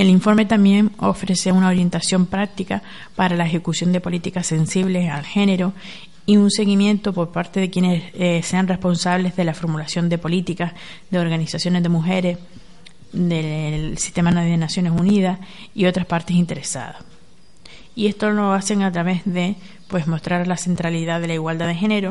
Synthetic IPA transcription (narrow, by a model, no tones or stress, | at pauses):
e̞liɱfo̞ɾme̞t̪ambje̞ŋo̞̰fɾe̞se̞unao̞ɾje̞nt̪asjo̞mpɾak̚t̪ika | paɾalae̞xe̞kusjo̞nd̪e̞po̞lit̪ikasse̞nsiβle̞sa̰lxe̞ne̞ɾo̞ | iunse̞ɣimjẽ̞nt̪o̞po̞ɾpaɾt̪e̞ðe̞kje̞ne̞sse̞anre̞hpo̞nsaβle̞zðe̞lafo̞ɾmulasjo̞nd̪e̞po̞lit̪ikaz | ðe̞o̞ɾɣanisasjo̞ne̞zðe̞muxe̞ɾe̞s | ðesi̥st̪e̞manaððenasjo̞ne̞suniðas | io̞t̪ɾaspaɾt̪e̞sint̪e̞ɾesa̰ða̰s | ie̞st̪o̞lo̞ase̞ŋat̪ɾaβe̞zðe̞ | pwe̞smo̞st̪ɾaɾlase̞nt̪ɾaliðaðe̞laiɣwald̪aðe̞xe̞ne̞ɾo